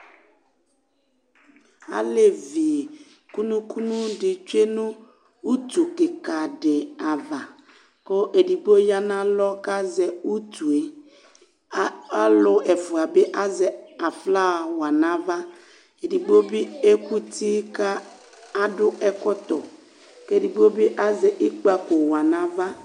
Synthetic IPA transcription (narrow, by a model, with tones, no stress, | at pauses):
a̰˨le˨vi˨ | ku˦nũ˦ku˦nũ˦dɪ˨t͡ʃe˦nʊ̃˦ | u˦t̪u˨kɪ˨ka˨ɖɪ˨a˨va˨ | kʊ˦ʔe˨di˨ɡ͡bo˦ja˦nã˦lɔ˦ka˦zɛ˨u˦t̪u˨e˦ | a˦lʊ˨ɛ˨fʊ˨a˨bɪ˦ʔa˦zɛ˨a˨fla˦˨wa˨na˦va˦ | e˨di˨ɡ͡bo˦bi˦e˦ku˦tʰi˦ka˦ | a˦dʊ˦ɛ˦kɔ˦t̪ɔ˨ | ke˦˨di˨ɡ͡bo˦bɪ˦ʔa˦zɛ˨ʔɪ˦k͡pa˦ko˨wa˨na˦va˦